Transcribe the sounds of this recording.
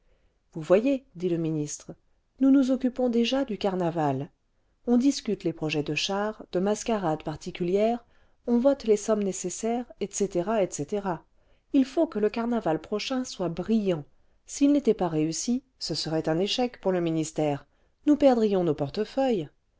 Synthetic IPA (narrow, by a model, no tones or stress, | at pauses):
vuvwajed̪iləminist̪χə | nunuzɔkʲypɔ̃d̪eʒad̪ykaʁnaval | ɔ̃d̪iskʲyt̪lepχɔʒɛd̪əʃaʁd̪̥əmaskaʁad̪paʁt̪ikʲyljɛːʁ | ɔ̃vɔt̪lesɔmnesesɛʁɛt̪set̪eʁaɛt̪set̪eʁa | ilfokələkaʁnavalpχɔʃɛ̃swabʁijɑ̃ | silnet̪ɛpaʁeysi | səsəʁɛt̪ɛ̃neʃɛkpuʁləminist̪ɛːʁ | nupɛʁd̪ʁijɔ̃nopɔʁt̪əfœj